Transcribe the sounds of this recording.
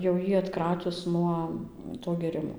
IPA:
jɛʊ ˈjiː ɐtˈkrɑːtʲʊs ˈnuɔ toː ɡʲeːˈrʲɪmoː

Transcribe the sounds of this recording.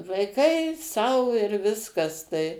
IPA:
ʋɐɪˈkɐɪ ˈsɐʊ ɪr ˈʋʲɪskɐs tɐɪ

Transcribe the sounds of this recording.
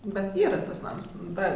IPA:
bʲɛt ˈiːrɐ ˈtɐs ˈnɐms ˈdɐ

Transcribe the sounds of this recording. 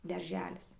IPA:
dɐrʲˈʒʲæːlʲɪs

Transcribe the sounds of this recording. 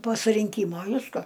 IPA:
poː sʊrʲɪŋʲˈkʲiːmoː ˈʋʲɪskɐ

